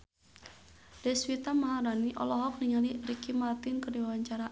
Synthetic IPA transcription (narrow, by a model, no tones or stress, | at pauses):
dɛswit̪amaɦaɾaniʔɔ̰lɔɦɔk̚niŋalirikimart̪inkərdiwawaɲt͡ʃaɾa